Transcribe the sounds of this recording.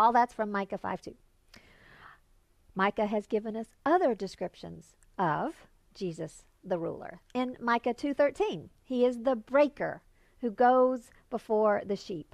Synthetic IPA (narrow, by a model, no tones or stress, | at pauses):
ɔlˠðætsfɹʌ̃mːaɪkɨfa̰ɪv̥tʰʉ | maɪkɨɨzɡɪvɨ̃nʌsʌðə˞dɨskɹɪpʃɨ̰̃nz̥ | ʌv̥ | d͡ʒizɨs | ðəɹṵlˠə̰˞ɪ̃nmaɪkɨtʰʉθɜ˞tʰĩn | iɪzðəbɹeɪkə̰˞ | hʉɡoʊz | b̥əfɔɹðɨʃip̚